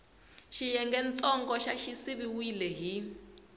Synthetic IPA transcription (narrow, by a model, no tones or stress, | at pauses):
ʃijɛŋɡɛnt͡sʼɔŋɡɔʃaʃisiβiwilɛɦi